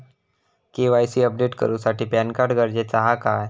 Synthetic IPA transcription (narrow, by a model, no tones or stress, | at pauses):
keʋajsiːəp̚ɖeʈkə̰ɾũːsaʈiːpjankaɾɖɡəɾd͡ʑet͡saɦakaj